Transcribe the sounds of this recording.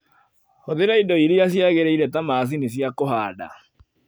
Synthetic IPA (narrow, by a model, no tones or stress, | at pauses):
hoðeɾaidɔiɾiasjaɣeɾɛiɾɛtamaːs̬inesjakoɦaːda̰